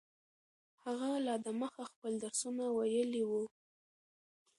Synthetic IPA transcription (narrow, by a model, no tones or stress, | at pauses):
haɣalɑd̪əməxaxpəld̪aɾsunawajəliwu